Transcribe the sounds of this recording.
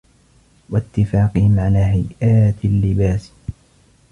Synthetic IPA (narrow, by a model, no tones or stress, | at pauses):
wat̪ːɪfaːqɨhɪmʕalaːɦajʔaːt̪lːɪbaːs